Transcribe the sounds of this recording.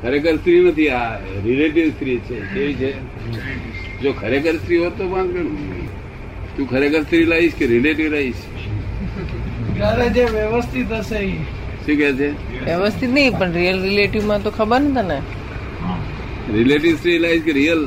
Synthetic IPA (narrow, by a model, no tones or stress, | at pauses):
kʰəɾekəɾst̪ɾinət̪ʰia | ɾileʈiʋst̪ɾit͡ʃʰekeʋit͡ʃʰe | d͡ʒokʰəɾekəɾst̪ɾiɦot̪obãnd̪kə | t̪ũkʰəɾekəɾst̪ɾilaɦiʃkeɾileʈiʋɾəɦiʃ | kaɾed͡ʒeʋjəʋəst̪ʰit̪ɦəsei | ʃũːkɛt͡ʃʰe | ʋjəʋəst̪ʰit̪nəɦĩpəɳɾijəlɾileʈiʋmãt̪okʰəbəɾnət̪ene | ɦã | ɾileʈiʋst̪ɾilaiʃkeɾijəl